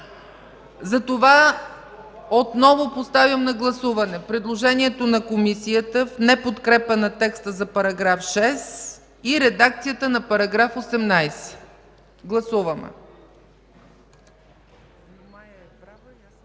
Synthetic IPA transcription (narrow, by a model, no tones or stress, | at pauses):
zɐt̪ova | ot̪nɔvopost̪avʲəmnɐɡlˠɐsuvɐnɛpɾɛd̪lˠoʒɛniɛt̪onɐkomisiət̪əfnɛpot̪kɾɛpənɐt̪ɛkst̪əzɐpɐɾɐɡɾafʃɛs | iɾɛd̪ak̚t̪sijət̪ənɐpɐɾɐɡɾafosɛmnajsɛ̥ | ɡlˠɐsuvəmɛ̰